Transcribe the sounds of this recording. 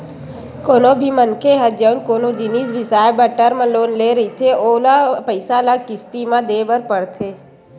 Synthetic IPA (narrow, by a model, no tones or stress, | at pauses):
koːnõbʱimənkeɦəd͡ʒəʊnkoːnod͡ʒɪniːsbʱɪsaːjbəʈəɾmãloːnleːɾəɦit̪ʰeoːlapəɪsalakɪst̪imãd̪eːbəɾpəɽt̪ʰeː